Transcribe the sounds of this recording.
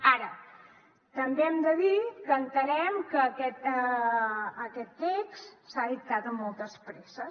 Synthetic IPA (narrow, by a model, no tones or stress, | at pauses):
aɾə | t̪əmbeɛmd̪əðikəːnt̪əɾɛmkəːkɛt̪əː | kɛt̪ːekssaðip̚t̪at̪əmːɔlˠt̪əspɾesə